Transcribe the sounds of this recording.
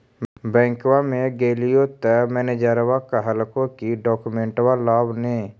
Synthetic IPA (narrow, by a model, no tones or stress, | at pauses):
bɛ̃ːŋkwamẽɡeːlijot̪əmɛːned͡ʒaːɾwakaɦəlkokiɖɔːkumẽːɳʈwalaːbneː